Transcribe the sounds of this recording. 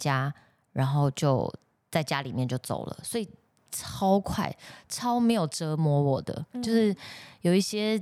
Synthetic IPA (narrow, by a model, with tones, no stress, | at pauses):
t͡ɕja˦ | ɻa˧˥nxo˥˧ʊt͡ɕjo˥˧ʊ | t͡sa˥˩ɪt͡ɕja˦li˨˩mjɛ˥˧nt͡ɕjo˥˩ʊt͡so̰˨˩ʊlə̰˩swɔ˧˥i˨˩ | ʈ͡ʂʰɑ˥ʊkʰwa̰˥˩ɪʈ͡ʂʰɑ˦˥ʊme˧˥ɪjo˨˩ʊʈ͡ʂɤ˧˥mwɔ˧˥wɔ˨˩d̪ə̰˦t͡ɕjo˥˧ʊʂɻ̩˥˩jo˨˩ʊi˥˩ɕjɛ˦